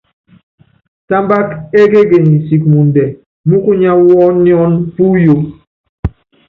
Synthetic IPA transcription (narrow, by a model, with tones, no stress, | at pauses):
ta˦mba˦ke˦ɡe˦ɡe˨ni˨si˨k̚mu˨n˨dɛ˨ | mu˦ku˦ɲa˦wɔ˦ni˦ɔ˦npu˦jo˨˦